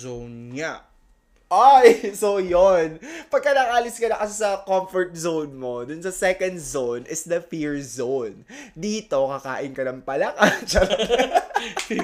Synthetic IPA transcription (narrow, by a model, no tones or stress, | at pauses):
zownŋa | ʔajsojonpɐɡ̚kːɐnaŋaːlɪskɐnɐkɐsasɐkomfɔɹt̪̚zownmo̞d̪ʊnsɐsɛkɐnd̪zownʔɪsd̪ɐfiɹzownd̪iːt̪o̞kɐka̰ːʔɪnkɐnɐŋpɐlɐkat͡ʃɐlɐɐ